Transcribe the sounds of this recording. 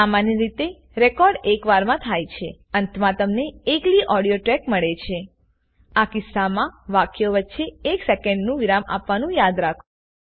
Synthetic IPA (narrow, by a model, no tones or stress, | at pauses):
samanjiɾit̪e | ɾekɔɾɖekʋaɾmãt̪ʰajt͡ʃʰeənt̪ʰmãt̪əmneekliʔɔɽijoʈɾɛkməɭet͡ʃʰe | akɪsːamãʋakjoʋətːʃeːksekɛɳɖnũʋiɾama̰pʋanũjad̪ɾakʰũ